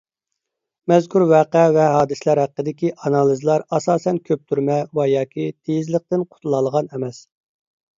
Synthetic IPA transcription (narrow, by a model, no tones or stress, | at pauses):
mɛzkʲuɾwæːqɛvɛɦɑːd̪ɨslˠɑɾɦæqːəd̪ɪkʲiʔɑnɑlˠizlˠɑɾɑsɑːsɛnkʲʰøp̚t̪ʰyɾmɛwɑjɑːkʲit̪ʰejizləq̚t̪ɪnqʰʊ̥t̪ʰulˠɑlˠəʁɑnɛmɛs